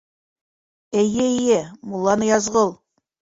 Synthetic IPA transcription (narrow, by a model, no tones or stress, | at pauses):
æjɘijɘmulˠːɑnɤjɑzʁɤlˠ